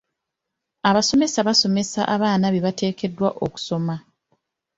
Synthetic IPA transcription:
aβaso̞me̞saβaso̞me̞sa̰ʔaβaːnaβeβate̞ːke̞dwa̰ʔoku̥so̞ma

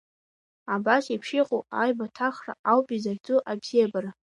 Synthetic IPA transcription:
abasipʰʂiqʼoajbatʰaχra̰ʔawpʼizaɡʲt͡sʼuʔabz̥ijabara

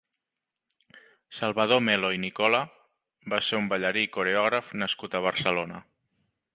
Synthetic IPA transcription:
səlˠβəð̞omeloinikɔlə | baseumbəʎəɾikuɾeɔɣ̞ɾəfnəskut̪əβ̞əɾsəlonə

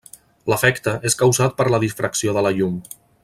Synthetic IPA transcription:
ləfɛkt̪əʔeskəwzat̪̚pəɾləðisfɾʔəksioðələʎum

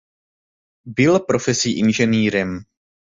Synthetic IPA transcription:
bɪlpɾofɛsiːʔɪnʒɛniːɾɛm

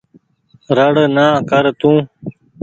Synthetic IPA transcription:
ɾəɽnaːkəɾt̪ũː

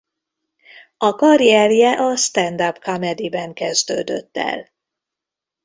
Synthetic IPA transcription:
ɒkɒɾiɛrjɛʔɒst̪ɛnd̪apkamɛd̪ibɛŋkɛzd̪øːd̪ø̰t̪ːɛ̰l

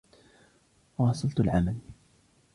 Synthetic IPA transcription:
wɑːsˤɑlt̪ʊlʕamal

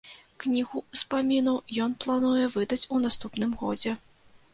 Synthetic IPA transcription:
knʲiɣuspamʲinɐwjɔnplˠanujɛvɨd̪ɐt͡sʲunast̪upnɨmɣɔd͡zʲɛ

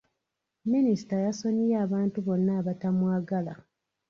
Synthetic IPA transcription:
minisi̥tajasoɲiaːβaːntuβo̞nːaːβatamwaːɡala̰

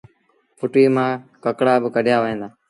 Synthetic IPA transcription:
pʊʈiːmãːkəkɽaːbkəɖjaːʋəɦẽːd̪aː

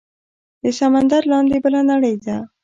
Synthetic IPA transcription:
d̪əsamand̪aɾlɑnd̪ebəlanaɽəjd̪a

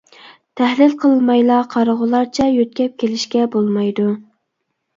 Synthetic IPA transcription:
t̪ʰæhlɪlqʰəlˠmɑjlˠɑqʰɑɾəʁʊlˠɑɾt͡ʃʰɛjøt̪̚kʲɛp̚kʲʰelɪʃkʲɛbolˠmɑjd̪u

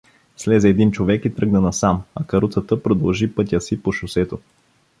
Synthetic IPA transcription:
slɛzɛɛd̪int͡ʃovɛkit̪ɾɤɡnənɐsamɐkɐɾut̪sət̪əpɾod̪ɐlˠʒipɤt̪ʲjəsipoʃʊsɛt̪o

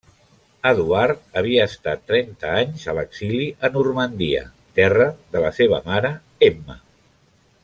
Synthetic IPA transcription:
əðuart̪̚əβ̞iəːst̪at̪ːɾɛnt̪əaɲzələkz̥iliʔənurmənd̪iə̰ | t̪ɛrəðələseβ̞əmaɾə | ɛmə̰

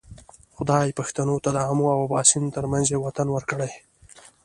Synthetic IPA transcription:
xʊd̪ɑjpaxt̪anot̪ad̪əamoawabɑsint̪əɾmanzewat̪anwəɾkəɽaj

